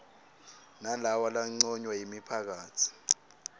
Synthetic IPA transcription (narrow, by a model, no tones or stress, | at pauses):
nalawalaŋ͡ǀɔɲwajimipʰak̬aːtʰi̥